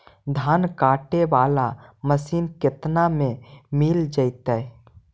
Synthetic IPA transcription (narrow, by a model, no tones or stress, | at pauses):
d̪ʱaːnkaːʈeʋaːlaməsiːnkɪt̪namẽmild͡ʒəɪt̪ɛ